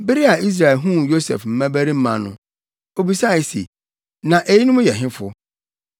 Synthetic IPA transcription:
be˦ɾi˦a˨ʔi˦s̬ɾa˨ɛ˨ɦũ˦jo˦sɛ̰˨fm̩˦mæ̃˦bæ˦ɾi˦m̩˦mã̰˨nʊ̰̃˦ | o˦bi˨sa˦˨i˨sḛ˨ | nã˨ʔe˨ji˦nʊ̃˦m˦jɛ˨ɦɪ̃˦fʊ˦

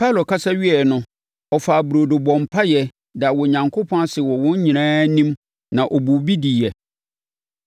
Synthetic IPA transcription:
pʰa˦˨lo˨kʰa˦sa˦ɥi˦ɛ˨nʊ̃˨ | ɔ˨faː˨bu˨ɾo˨dʊ˨bɔ̃˨m˨pʰa˦jɛ˨ | da˨wɔ˨ɲã˨ŋkʰo˦pʰɔ̃˦a˦sɪ˨wɔ˨wɔ̃˦ɲ˦ɲĩ˨nãː˦nĩ˦m | nã˨ʔɔ˨bu˨bi˦di˨jɛ˨

